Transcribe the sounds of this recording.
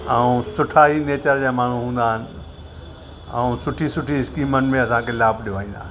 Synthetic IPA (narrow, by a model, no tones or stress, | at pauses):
ɛũsʊʈʰaːɦineːt͡ɕəɾd͡ʑaːmaːɳ̤uɦũːn̆d̪aːɦɪnɪ̆ | ɛũsʊʈʰisʊʈʰiɪskiːmənɪ̆mẽɐsãkʰeːlaːbʱɗɪʋaːĩːnd̪a̰ːɦɪ